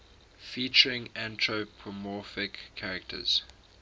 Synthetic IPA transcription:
fiˑt͡ʃəɹɪ̃ŋãntʰɹopʰɔmɔfɪkʰːaɹɛk̚tʰə̰z̥

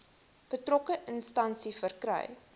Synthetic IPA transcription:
b̥ətrɔkəʔənstɐnsifərkrœ̰j

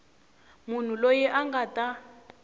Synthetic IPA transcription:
mun̤ulojɛʔaŋɡatʼa

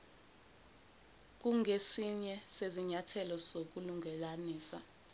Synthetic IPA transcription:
k̬uŋʱesiɲɛseziɲatʰɛlɔzok̬uluŋʱɛlaniːsa

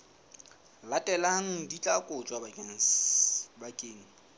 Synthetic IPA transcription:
latʼɛlaŋ̩dit͡ɬʼakʼʊt͡ʃʼwaban | bakʼeːŋ̩

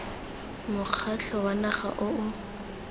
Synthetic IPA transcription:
mʊk͡xʰaɬʰɔwanaχa̰ʔʊʊ

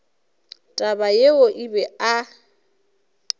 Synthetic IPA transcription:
tʼabajeoʔibɛa

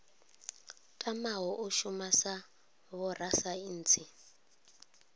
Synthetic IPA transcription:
kʼamaɦɔʔʊʃumasa | βɔrasain̩ːt͡sʰi

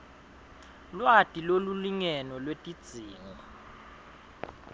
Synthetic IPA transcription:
lwatʼiloluliŋɛnɔlwetʼid̥z̥ʱiːŋɔ

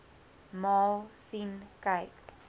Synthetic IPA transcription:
mɑːlsinkaɪk

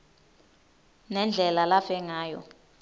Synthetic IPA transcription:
nɛnd͡ɮʱɛlalafɛŋaːjɔ̰

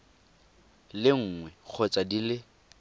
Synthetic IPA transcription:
lɪŋ̩ːŋwɛk͡xʰɔt͡sʼadilɪ

